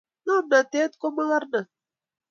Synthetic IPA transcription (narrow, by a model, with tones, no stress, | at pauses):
na˦˨mna˨t̪e˦t̪ko˦ma˦ɣa˦ɾna˨